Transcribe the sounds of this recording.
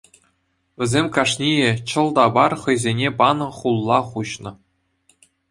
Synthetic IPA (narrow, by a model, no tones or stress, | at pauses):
ʋʲɘ̆zʲemʲkɑʂnʲijĕt͡ɕɤ̆lˠd̪ɑbɑrχɤ̆jzʲenʲepɑnɤ̆χulˠːɑχuɕnɤ̆